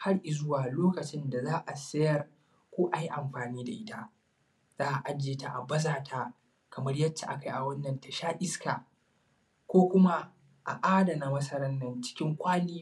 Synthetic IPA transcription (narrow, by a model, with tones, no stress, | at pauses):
ha˦rʔɪ˨zʊ˦waː˨loː˦kɐ˨t͡ʃɪ˦nda˨zaː˦ʔa˨sɐ˦jɐ˦r | kʷoː˦ʔa˨ji˦ʔa˨mɸaː˨niː˦da˨ʔɪ˦ta˦ʔ | z̥aː˦ʔa˨ʔa˦d͡ʒeː˨ta˨ʔa˨bɐ˦zaː˨tʰa˦ | kɐ˨mɐ˦ɽjɐ˦t͡ʃːa̰˨ʔa̰˦ka˨jʔa˨wɐ˦nːɐ˨nta˨ʃaː˦ʔɪ˦skaː˨ | kʷoː˦kʷʊ˦ma˦ | ʔa˨ʔaː˦da˨na˨mɐ˦sɐ˦ɾɐ˦nːɐ˨nt͡ʃɪ̥˦kʲɪ˦ŋkʷaː˦niː˦